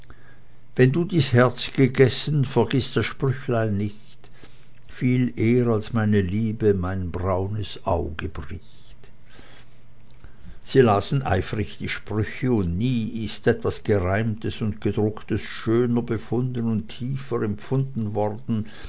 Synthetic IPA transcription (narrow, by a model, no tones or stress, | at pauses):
vɛnduːdiːshɛɐt͡sɡ̥əɡɛsnfɛɐɡɪstd̥asʃpʁ̥ʏçlaɪlnɪçt | fiːlʔeːəʁalsmaɪnəliːbəmaɪnbʁaʊnəsʔa̰ʊɡəb̥ʁɪç | t | z̥iːlaːsn̩ʔa̰ɪfʁɪçd̥iːʃpʁ̥ʏçəʊntniːɪstʔɛtv̥asɡ̥əʁaɪmtəsʊntɡ̥ədʁʊktəsʃøːnəbəfʊndənʊntʰːiːfəʁɛmfʊndn̩vɔʁdn̩